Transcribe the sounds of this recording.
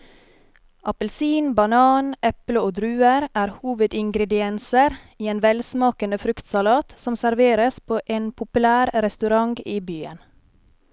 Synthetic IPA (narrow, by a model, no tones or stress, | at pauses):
ʔɑpəlsiːnbɑnɑːnʔɛpləoːd̪ɾʉːəɾʔæːɾhuːʋəd̪ɪŋɡɾɛd̪ɪɛnsəɾ | iːeːnʋɛlsmɑːkənəfɾʉkt̪sɑlɑːt̪sɔmsæɾʋeːɾəspʰoːʔeːnpʰʊpʉlæːɾɾɛst̪ʉɾɑŋɡiːbyːə̰n